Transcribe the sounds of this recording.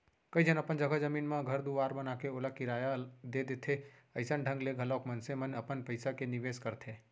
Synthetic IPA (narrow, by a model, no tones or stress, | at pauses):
kəid͡ʒənɐpənd͡ʒɐɡəd͡ʒɐmiːnmẽɡʱɐɾd̪uaːɾbɐnaːkeʊlakiɾaːjad̪ed̪et̪ʰeɐɪsənɖʱə̃ŋɡleɡʱɐlɔːkmɐnsemənɐpənpəɪsakenɪʋeːskɐɾt̪ʰeː